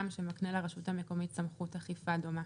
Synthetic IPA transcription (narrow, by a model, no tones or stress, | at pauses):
mʃemaknelaʁaʃuthame̞ko̞mitsamχuthaχifadoma